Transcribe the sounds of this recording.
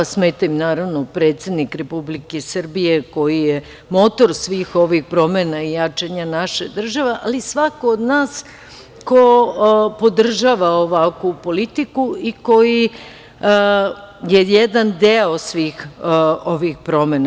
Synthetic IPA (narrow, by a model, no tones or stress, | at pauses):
smeːt̪aimnaːɾaʋnopɾeːt̪sed̪nikɾe̞publikesr̩bijeko̞jije | mo̞t̪o̞ɾsʋiːxo̞ʋixpɾo̞menaijat͡ʃeɲanaʃed̪r̩ʒaʋeʔalisʋakoːd̪naːs | kopo̞d̪r̩ʒaːʋaoʋakupo̞lit̪ikuiko̞ji | jejɛd̪and̪eo̞sʋiːxoʋixpɾo̞mena